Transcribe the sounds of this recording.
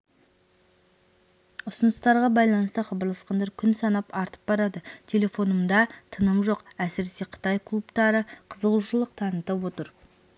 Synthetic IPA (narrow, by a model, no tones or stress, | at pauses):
ʊsʊnəst̪ɑɾʁɑbɑjlˠɑnəst̪əχɑbɑɾlˠɑsqɑnd̪ɑɾkʲʰʏnsɑnɑpɑɾt̪ə̥p̚bɑɾɑd̪ət̪ʲʰe̞lʲe̞fo̞nəmd̪ɑt̪ʰənəmʒo̞qæsɪɾese̞qʰə̥t̪ɑjkʰlˠupt̪ɑɾəqʰəzəʁuʃəlˠəqt̪ʰɑnət̪ɑpwo̞t̪əɾ